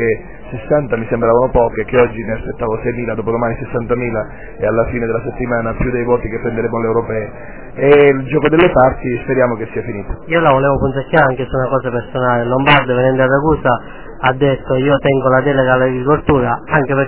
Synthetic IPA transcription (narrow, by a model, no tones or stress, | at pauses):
e | sesːant̪amisembɾaːvanopɔːkek̟ːeɔd͡ʒːineaspet̪ːaːvosɛjmiːlad̪ɔːp̬od̪omaːnisesːant̪amiːla | ealːafiːned̪elːaset̪ːimaːnapjud̪ejvɔːt̪ikepːɾend̪eɾemːolewɾopɛːe | eld͡ʒɔːkod̪elːepart̪ispeɾjaːmokesːiːafiniːt̪ḁiːolavolɛːvopunekːaːɾaŋk̟esunakɔːsapersonaːlelombard̪ovenɛnd̪ad̪aɡuːsa | ad̪ːet̪ːoiːot̪ɛŋɡolad̪ɛleɡalaɡɡɾikolt̪uːɾaaŋk̟epe